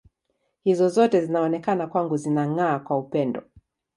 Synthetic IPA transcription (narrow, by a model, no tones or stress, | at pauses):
hizɔzɔtɛzinaɔnɛkanakwaŋɡuzinaŋaːkwaupɛndɔ